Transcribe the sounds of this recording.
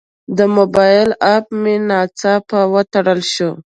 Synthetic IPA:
d̪əmobɑjɪlapmenɑt͡sɑpawət̪aɽəlʃu

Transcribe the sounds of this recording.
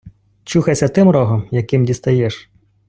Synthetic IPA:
t͡ʃuxɐjsʲɐt̪ɪmɾɔɦɔmjɐkɪmdʲist̪ɐjɛʃ

